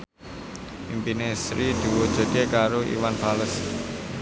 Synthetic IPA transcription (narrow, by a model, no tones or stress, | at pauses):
ʔimpinesɾid̪̥uwod̥ʒ̥ə̤ɡ̪ekaɾoḭwanpaləs